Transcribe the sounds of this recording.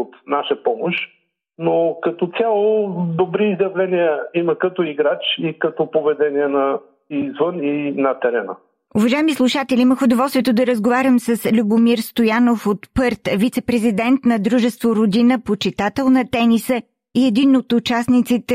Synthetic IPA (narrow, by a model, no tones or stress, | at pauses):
ot̪naʃəpɔmoʃ | nokɐt̪ɔt̪sʲalˠod̪obɾiːzjɐvlɛniəimɐkɐt̪ɔiɡɾat͡ʃikɐt̪ɔpovɛd̪ɛniɛnɐ | izvəninɐt̪ɛɾɛnə̰ | ʊvɐʒaɛmislˠuʃat̪ɛlʲiməxʊd̪ovɔlˠst̪viɛt̪od̪ɐɾəzɡovaɾʲəmsəslʲubʊmiɾst̪ojanofot̪pɤɾt̪vit̪sɛpɾɛzid̪ɛnt̪nɐd̪ɾuʒɛst̪voɾod̪inəpot͡ʃit̪at̪ɛlˠnɐt̪ɛnisə | iɛd̪inot̪ʊt͡ʃasnit̪sit̪ɛ